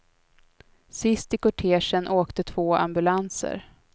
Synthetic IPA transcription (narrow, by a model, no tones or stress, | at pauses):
sɪst̪ɪkɔʈʰeːʂənʔoːkt̪ət̪ʰv̥oːʔa̰mbɵlansə̰ɾ